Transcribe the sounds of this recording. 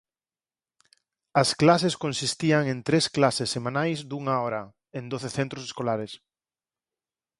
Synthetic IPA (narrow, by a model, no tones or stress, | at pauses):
ɐsklaseskõnsist̪iɐŋẽnt̪ɾesklasesːemãnajzd̪uŋaɔɾɐ | ẽnd̪oθeθent̪ɾose̥skolaɾes